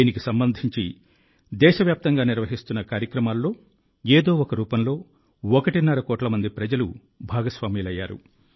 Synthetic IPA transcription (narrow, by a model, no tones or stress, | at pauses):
iːnikisɐmbɐnd̪ʱiɲt͡ʃi | d̪ɛːʃɐʋjaːp̚t̪ɐŋɡaːniɾʋɐɦist̪unːɐkaːɾjɐkɾɐmaːlːo̞ː | eːd̪o̞ːɔkɐɾuːpɐnlo̞ː | ɔkɐʈinɐɾɐkɔːʈlɐmɐnd̪ipɾɐd͡ʒɐlu | bʱaːɡɐsʋaːmiːlɐjːaːɾṵ